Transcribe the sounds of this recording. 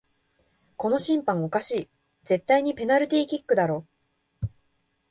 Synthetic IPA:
ko̞no̞ɕĩmpãŋ̃o̞kaɕiː | d͡ze̞t̪ːaiɲ̟ipe̞naɾɯ̟t̪ʲiːkʲikːɯ̟d̪aɾo̞ː

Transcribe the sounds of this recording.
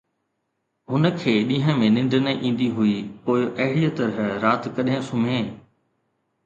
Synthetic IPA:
ɦʊnə̆kʰeːɗĩːɦə̃mẽnɪ̃ɳɖnəʔĩːn̆d̪iɦuipoːɪʔɐɦɪɽijət̪ɐɾəɦɾaːt̪kɐɗɦɪ̃sʊm̤ẽː

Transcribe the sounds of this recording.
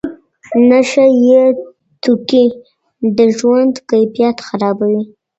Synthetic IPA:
naʃaje | t̪uki | d̪əʒwand̪kajfijat̪xaɾɑbawi

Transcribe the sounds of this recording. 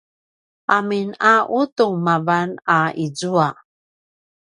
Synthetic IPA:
ʔaminaʔutuŋmavanaizua

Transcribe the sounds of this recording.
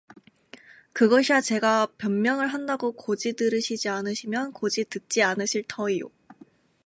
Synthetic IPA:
kɯɡʌɕʰiat͡ɕe̞ɡapjʌnmjʌŋɯɭɦandaɡokod͡ʑidɯɾɯɕʰid͡ʑianɯɕʰimjʌnkod͡ʑitɯk̚t͡ɕ͈ianɯɕʰiɭtʰʌijo̰

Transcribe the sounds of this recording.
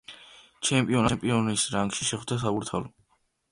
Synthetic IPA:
t͡ʃʰɛmpʼiɔnampʼiɔnisɾaŋɡʃiʃɛχwd̪as̬abuɾt̪ʰa̰lɔ

